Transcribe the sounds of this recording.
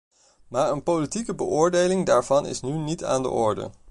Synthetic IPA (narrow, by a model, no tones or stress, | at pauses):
maːɹənpowlitikəbəʔʊːɹdejlɪŋdaːɹv̥ɑnɪ̰snynita̰ːndə̰ʔɔɹdə̰